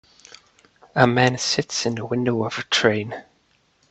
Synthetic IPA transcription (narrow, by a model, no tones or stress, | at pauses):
əmæ̃nsɪtsɨ̃nðəwɪ̃ndoʊʌv̥ətʰɹ̥ẽɪ̃n